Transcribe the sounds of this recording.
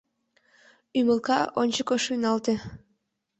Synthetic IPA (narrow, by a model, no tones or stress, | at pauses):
yməlˠkɑonʲt͡ɕəkoʃujnɑlt̪e